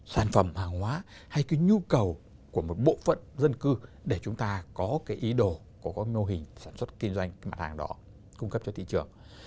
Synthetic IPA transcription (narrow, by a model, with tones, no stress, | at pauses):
saː˧˩nfə˧˩mhaː˨˩ŋhwaː˨˦ | ha˧jka˨˦ɲu˧kə˨˩w | ku˧˩əmo˨˩t̚ɓo̰˧˨fə̰˧˨nzə˧nkɨ˧ | ɗe˧˩t͡ɕʊ˨˦ŋ͡mt̪aː˧kɔ˨˦kaː˨˦jʔi˨˦ɗo˧˩ | kɔ˨˩˦kɔ˨˦mo˧wɦï˨˩ŋ̟saː˧˩nswt̚t̪i˧nzwa˧jŋ̟ma̰ː˨˧t̚haː˨˩ŋɗɔ̰˨˦ | kʊ˧ŋ͡mkə˦˥p̚t͡ɕɔ˧t̪ʰḭ˧˨t͡ɕɨ˨˩əŋ